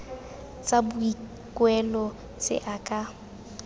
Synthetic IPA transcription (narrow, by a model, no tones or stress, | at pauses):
t͡sʼabʊi | kʼwɛlɔ | t͡sʼɪ̰ʔakʼa